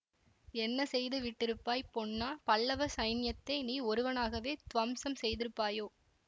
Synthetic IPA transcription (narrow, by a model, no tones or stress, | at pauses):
ɛnːɐsɛjðɯʋɪʈːɪɾɯpːaːjpːɔɳːaːpɐɭːɐʋɐsɐɪnɪjɐt̪ːɐɪniːɔɾɯʋɐnaːɣɐʋeːt̪ʋɐmsɐmsɛjðɪɾɯpːaːjoː